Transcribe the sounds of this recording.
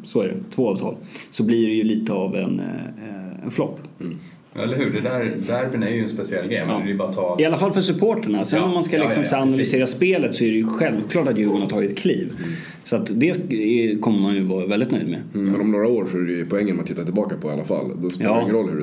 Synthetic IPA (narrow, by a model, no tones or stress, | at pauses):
sɔæɖɛ̰t̪ʰvoːɑːvt̪ʰɑ̰ːlsɔblɪɖɛjɵliːt̪əavɛ̰n | ɛ̰nflɔ̰pː | ɛləɾɦʉ̟ːɖɛd̪æɾd̪æɾfənæɾjəɛnspɛsɪɛlːɡɾḛmɪjbɑːat̪ʰɑːɪalːafalfœʂɵpʰoːʈaɳasɛnːɔmːanskalɪksɔmsaanalʏseːɾaspeːlət̪sɔæɾɛjɵɧɛlvkʰlɑːʈat̪jʉ̟ːɡʊɳat̪ʰɑːɡɪt̪̚kʰliːv | sɔat̪d̪ɛkʰɔmːəmanjɵvɑːɾavɛld̪ɪt̪nœʏjd̪mɛ̰mɛnɔmnoːɾaoːɾsɔæɾɛɵpʰɔɛŋːənɔmat̪ʰːɪt̪ːat̪ɪlbɑːkapʰɔɪa̰lːa̰fa̰lːd̪ɔspɑːaɪŋːnɾɔlːhɵ̰ɛ